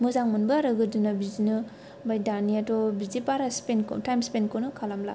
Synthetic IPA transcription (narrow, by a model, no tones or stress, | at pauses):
muzaŋmɐnbɯɾɯɡɯdunabizinɯ | bajdaniatɔbizipaɾaspenkɔ̰tajmspenkonɯkʰalamla̰